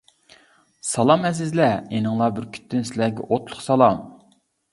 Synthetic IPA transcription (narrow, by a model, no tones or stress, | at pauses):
sɑlˠɑmɛzɪzlɛenɨŋlˠɑbɪɾkʲʰy̥t̪ʰːɪnsɪlæɡʲɛ̰ʔot̪lˠʊχsɑlˠɑm